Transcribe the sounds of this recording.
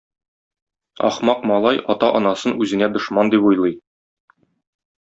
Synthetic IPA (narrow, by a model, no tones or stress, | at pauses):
ɒ̰χmɑqmɒlˠɑjɒt̪ɑʔɒnɑsɤnʉzɘ̆næd̪ŏʃmɑnd̪ipujlˠɤj